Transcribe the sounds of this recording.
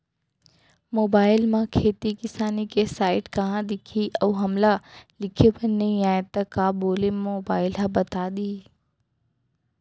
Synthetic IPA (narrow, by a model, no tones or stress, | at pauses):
moːbaːɪlmãkʰeːt̪ikɪsaːnikesaːɪʈkɐɦãd̪ɪkʰiʔɐːɦɐmlalɪkʰepɐnnɐĩaːẽt̪ɐkaːboːlemoːbaːɪlɦãbɐt̪aɗ̪iː